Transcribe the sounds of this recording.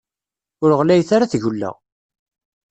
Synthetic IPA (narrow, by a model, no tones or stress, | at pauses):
ʊɾəʁlæjθaɾaθʝulːæ̰